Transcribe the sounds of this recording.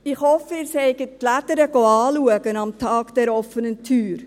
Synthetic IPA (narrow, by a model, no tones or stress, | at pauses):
ɪχhɔfəɪːɾshɛɪɡətlædəɾəɡ̥oɑːluəɡənɑmtʰɑːɡ̥d̥ɛɾɔfənəntʰyːɾ